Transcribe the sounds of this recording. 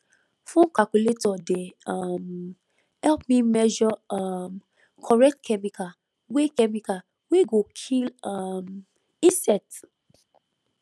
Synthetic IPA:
fõnkakuletɔdeam | hɛlpmimɛʒɔam | kʰɔɹɛk̚tkʰɛmika | wekɛmika | weɡokʰilam | ĩsɛt

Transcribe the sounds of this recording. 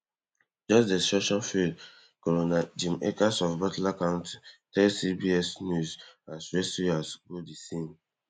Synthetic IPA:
d͡ʒɔsdestɹɔʃɔ̃nfild | kɔlonad͡ʒĩmekasɔfbatlakãntitɛlsibiɛsnjuzãsɹesiasɡodisĩn

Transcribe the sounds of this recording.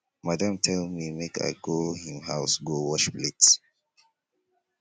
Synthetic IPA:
madãmtʰɛlmimeka̰ɪɡohĩmhaʊsɡowɔʃplets

